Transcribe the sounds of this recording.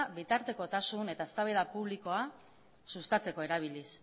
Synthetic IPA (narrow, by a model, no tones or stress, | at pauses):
bit̪aɾt̪e̞ko̞t̪asune̞t̪aest̪aβeðapuβliko̞a | sust̪at͡se̞ko̞e̞ɾaβ̞ilis